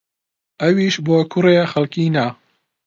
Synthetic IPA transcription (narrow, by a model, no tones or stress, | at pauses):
ʔɐwiʃboːkʰʊrexɐlkinɐ